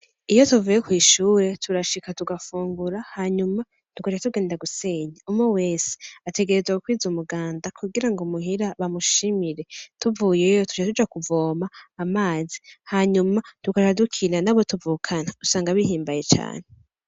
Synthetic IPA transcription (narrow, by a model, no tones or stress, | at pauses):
ijo̞tuvujekwiːʃuːɾe̞tʰuɾaʃikatuɡafuːŋɡuɾahaɲuma | ntukat͡ʃatuɡeːndaɡuse̞ɲeumŋowe̞ːse̥ate̞ɡe̞ɾezwaokwiːzumuɡaːndakʰuɡiɾaŋɡomuɦiɾaβamuʃimiɾe̞tuvuːjejotu̥t͡ʃatud͡ʒakuvo̞ːmaːmaːzi̥haɲumatukat͡ʃadukʰinanaβo̞tuvuːkʰanausaːŋɡaβihiːmbaje̞t͡ʃa̰ːne̞